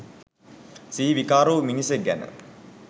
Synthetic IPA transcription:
siːʋikaːɾoːminiseɡæ̰nə̰

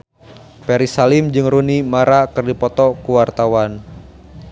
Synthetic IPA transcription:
pɛɾisalɪmd͡ʒɨŋrunimaɾakɨrdipɔt̪ɔkuwart̪awan

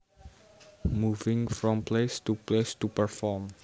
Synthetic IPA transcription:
muvɪ̃ŋfɾɔ̃mplest̪uplest̪upəɹfɔm

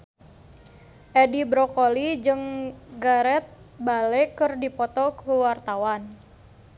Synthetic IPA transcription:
ʔedibɾɔkolid͡ʒɨŋɡaɾɛt̪̚ | balekɨrdipɔt̪ɔkəwart̪awan

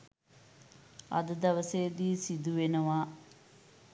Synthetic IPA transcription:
ɐ̰d̪ɨd̪ɐʋɐseːd̪iːsid̪uʋenɐʋaː

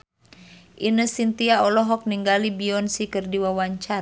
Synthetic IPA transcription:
ʔinəsint̪iaɔlɔɦɔk̚niŋɡalibiɔnsikərdiwawaɲt͡ʃa

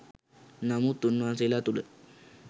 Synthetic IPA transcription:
namut̪ːunmãselat̪ulə

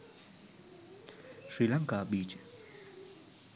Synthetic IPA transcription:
swilaŋkabit͡ʃ

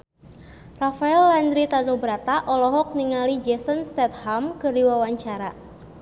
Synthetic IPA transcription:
rafaɛlːand̪ɾit̪anubəɾat̪aʔɔlɔɦɔk̚niŋalid͡ʒɛsənst̪ɛt̪̚hamkərdiwawaɲt͡ʃaɾa

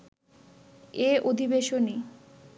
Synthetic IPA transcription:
eʔod̪ʱibeʃoni

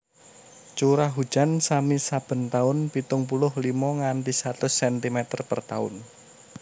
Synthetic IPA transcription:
t͡ʃuɾaɦu̥d͡ʒ̥ansamisab̥ə̤nt̪aʊnpit̪ʊŋpulʊhlimɔŋant̪isat̪ʊsɛnt̪imɛt̪ərpə̰rt̪a̰ʊ̰n

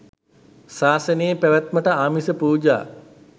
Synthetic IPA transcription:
saːsəneːpæʋæt̪məʈəaːmisəpuːd͡ʒa̰ː

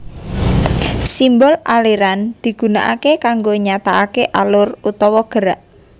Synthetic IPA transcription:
simbɔlaleɾand̪̥i̤ɡ̥ṳna̰ʔakekaŋɡoɲat̪aakeʔalʊrut̪ɔwɔɡ̥əɾaʔ

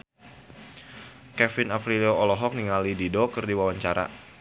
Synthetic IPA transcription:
kɛfɪnapɾiloɔlɔɦɔk̚niŋalididokɨrdiwawaɲt͡ʃaɾa̰

